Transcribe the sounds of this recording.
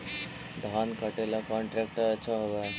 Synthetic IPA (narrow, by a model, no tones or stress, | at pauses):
d̪ʱaːnkɐʈelakɔ̃ːɳʈɾɛːk̚ʈəɐtːʃʰaɦoːɡ̪a